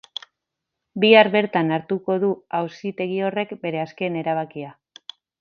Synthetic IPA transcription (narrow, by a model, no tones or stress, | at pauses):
biaɾβe̞ɾt̪anaɾt̪uko̞ð̞uawsit̪e̞ɣ̞io̞re̞kbe̞ɾe̞aske̞ne̞ɾaβ̞akia